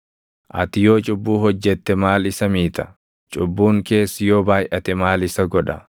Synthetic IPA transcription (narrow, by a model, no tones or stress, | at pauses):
ʔɐ̰t̪ɪjo̞ːt͡ʃʼʊbːuːɦɔd͡ʒːɛt̪ːɛmaːlɪsɐmiːt̪ɐ̥ | t͡ʃʼʊbːuːŋke̞ːsːɪjo̞ːbaːjʔɐt̪ɛmaːlɪsɐɡɔᶑɐ